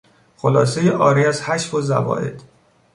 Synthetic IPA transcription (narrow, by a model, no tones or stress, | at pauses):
xolɒːsejeʔɒːɾiæzhæʃfozæ̰vɒ̰ːʔe̞̰d̪̥